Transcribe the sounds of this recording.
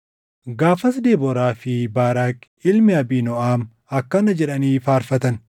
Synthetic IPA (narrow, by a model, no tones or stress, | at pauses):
ɡaːfɐs̬d̪eːbɔɾaːfɪbaːɾaːk | ɪlmɪɐbiːnɔʔaːm | ɐkːɐnɐd͡ʒɛᶑɐniːfaːɾfɐt̪ɐn